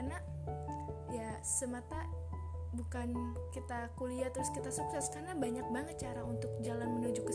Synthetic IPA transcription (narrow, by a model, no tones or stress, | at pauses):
rna | ja | səmat̪a | bukankit̪akuliat̪əɾʊskit̪asuksɛskarnabaɲak̚baŋət̪̚t͡ʃaɾaunt̪ʊk̚d͡ʒalanmənud͡ʒʊkə